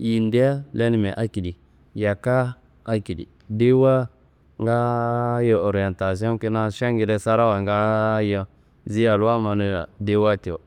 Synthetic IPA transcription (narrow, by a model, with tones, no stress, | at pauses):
ji˨nde˦a˦le˦ni˨mɛ˨ʔa˦ki˨di˨ | ja˨ka˦ | a˦ki˨dḭ˨ | de˦wa˦ | ŋɡa˦jo˨o˨ɾi˨ɛ˨nta˨s̬i˦ɔ̃˦n˦ki˦na˦ʃa˦ŋɡi˨ɾɛ˦sa˦ɾa˦wa˨ŋɡa˦jɔ˦ | zi˦ja˨lwa˦ma˨nu˦ja̰˨de˦wa˦te˨o˨